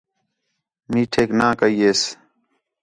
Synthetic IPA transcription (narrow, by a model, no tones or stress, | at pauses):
miːʈʰeːknãːkəiːeːs